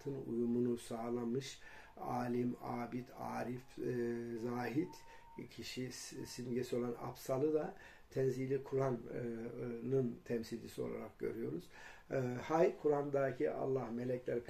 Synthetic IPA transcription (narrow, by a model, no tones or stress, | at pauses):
t̪ʰɯnṵjumunusaːlˠamɯʃ | a̰ːlʲimaːbit̪ʰaːɾifzaːɦit̪ | cʰiʃisinɟesio̞lˠana̰psalˠɯd̪a | t̪ʰɛnzilʲikʰuɾan | nɯnt̪ʰɛmsilʲd͡ʒisio̞̰lˠa̰ɾak̚ɟø̞̰ɾyjo̞ɾuz̥ | hajkʰuɾand̪aːcʰiʔa̰lˠːahme̞lʲɛclʲɛɾip